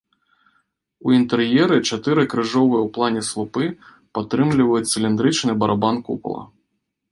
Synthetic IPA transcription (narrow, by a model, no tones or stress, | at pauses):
uint̪ɛrjɛɾɨt͡ʂat̪ɨɾɨkɾɨʐɔvɨjɛwplˠanʲɛslˠupɨ | pat̪ːɾɨmlʲivɐjut͡s̪ʲsʲɨlʲind̪ɾɨt͡ʂnɨbɐɾʔabankṵpɐ̰lˠɐ̰